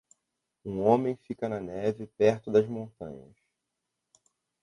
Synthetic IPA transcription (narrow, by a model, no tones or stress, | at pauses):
ũõmẽj̃fikɐnɐnɛvɪpɛɾt̪ʊd̪ɐzmõnt̪ɐ̃ɲɐ̰s